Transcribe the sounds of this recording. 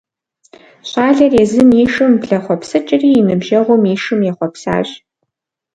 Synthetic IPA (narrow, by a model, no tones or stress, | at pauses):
ɕaːɮɐreːzɨmiːʂɨmpɮɐχʷɔpsɨt͡ʃʼɪriːnɨbʒɐʁʷʊmiːʂɨmjɛχʷɔpsa̰ːʑ